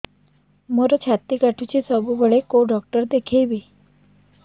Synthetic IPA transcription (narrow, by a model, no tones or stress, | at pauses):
moɾɔt͡ɕʰat̪ikaʈʰut͡ɕʰisəbubəɭekoɖɔk̚ʈəɾd̪ekʰejbi